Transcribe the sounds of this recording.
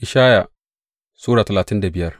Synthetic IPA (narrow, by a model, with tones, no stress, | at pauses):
ʔɪ˨ʃaː˦ja˨ | suː˦ɽaː˨tɐ˨laː˨tɪ˦nda˨bɪ˨jɐ˦r